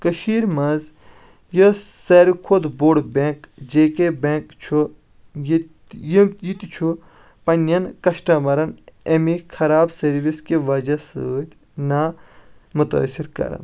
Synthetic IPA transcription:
kɐʃiːɾmɐz | jɐsɐːɾikʰod̪boːɖbẽːkd͡ʒeːkebeːkt͡ʃʰu | j | jijit̪it͡ʃʰu | pɐnɐnkɐʃʈɐmɐɾɐnemikʰɐɾaːbsɐɾʋiskeʋɐd͡ʒɐst̪ʲ | na | mut̪ɐ̰siɾkɐ̰ɾɐ̰n

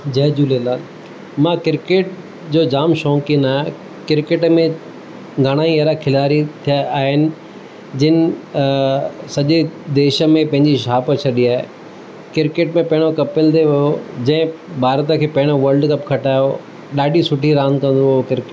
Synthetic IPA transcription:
d͡ʑɐːd͡ʑuːlelaːl | mãkɪɾkeːʈ | d͡ʑoːd͡ʑaːmʃɔ̃ːkɪnaːɦe | kɪɾkeːʈmẽ | ɡʱaɽ̃aːiɐːɾakʰɪlaːɾit̪ʰijaaːɦɪnɪ̆ | d͡ʑɪnɪ̆ | sɐʄed̪eːʃə̆mẽpɐ̃ɦɪ̃ɲd͡ʑiʃaːpət͡ɕʰɐɗiaːḛ | kɪɾkeːʈmẽpɐ̃ɦɪɽ̃okɐpɪld̪eʋɐjod͡ʑɐ̃ɦɪ̃bʱaːɾt̪əkʰeːpɐ̃ɦɪɽ̃oʋɐlɖkɐpkʰɐʈaːjo | ɗaːɖʱisʊʈʰiɾãːnkɐ̃nd̪ookɪɾkeʈ

